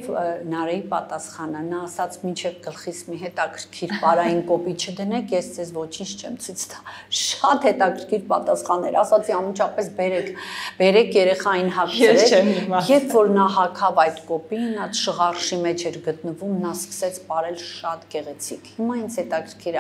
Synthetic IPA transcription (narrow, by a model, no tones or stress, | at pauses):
vnɑɾɛjipɑ̰t̪ɑsχɑnənɑːsɑt͡sʰmint͡ʃʰɛvɡəlχit͡sʰmiɦɛt̪ɑkʰəɾkʰiɾpɑɾɑjinkɔpit͡ʃʰəd̪ənɛkʰjɛsd͡zɛzvɔt͡ʃʰint͡ʃʰt͡ʃʰɛmt͡sʰut͡sʰt̪ɑ̥ | ʃɑt̪hɛt̪ɑkʰəɾkʰiɾpɑ̰t̪ɑsχɑnɛ̰ɾɑsɑt͡sʰiɑnmənt͡ʃʰɑpɛsbɛɾɛkʰbɛɾɛkʰjɛɾɛχɑjinɦɑkʰɛɾɛɛjɛpʰvɔɾnɑɦɑkʰɑvɑjt̪kɔpinɑt͡sʃəʁɑrʃimɛt͡ʃʰɛɾɡət̪̚nəvumnɑskə̥sɛt͡sʰbɑɾɛlʃɑt̪ɡɛʁɛt͡sʰikʰhimɑint͡sʰhɛt̪ɑkʰəɾkʰiɾə